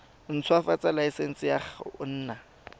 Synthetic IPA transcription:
n̩t͡sʰʊafat͡sʼalaisen̩sɪjaχʊn̩ːna

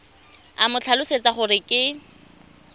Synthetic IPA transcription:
a̰mʊt͡ɬʰalʊset͡sʼaχʊɾɪkʼɪ

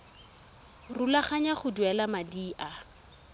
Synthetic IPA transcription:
rulaχaɲaχʊduɛlamadiːʔa

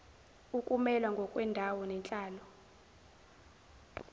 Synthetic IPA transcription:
ukʼumɛlwaŋɡʱɔkʼwɛndʱawɔnɛnt͡ɬʼaːlɔ

